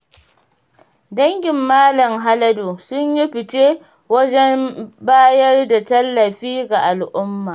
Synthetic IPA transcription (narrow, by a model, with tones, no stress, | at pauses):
dɐ˦ŋɡʲɪ˨mːaː˦lɐ˨mɦa˦lɐ˦do˨sʊ˦ɲji˦ɸɪ˨teː˦ | wɐ˦d͡ʒɛ˦mbaː˦jɐ˦rda˨tɐ˦lːɐ˨ɸiː˦ɡa˨ʔa˨lʔʊ˦mːaː˨